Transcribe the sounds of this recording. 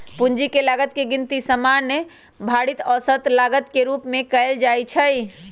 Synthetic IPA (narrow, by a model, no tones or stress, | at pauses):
pund͡ʒikelaɡət̪̚keɡint̪isəmanːə | bʱaɽit̪ɔsət̪laɡət̪keɾupmẽkəld͡ʒajt͡ʃʰəj